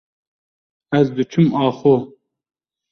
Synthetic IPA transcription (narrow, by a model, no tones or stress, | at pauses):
æzd̪ɨt͡ʃʰɨmɑːxo